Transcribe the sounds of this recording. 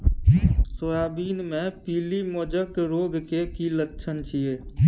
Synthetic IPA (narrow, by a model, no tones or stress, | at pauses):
soːjaːbiːnmẽpiːlimoːd͡ʒəkɾoːɡkekilətːʃʰənt͡ʃʰieː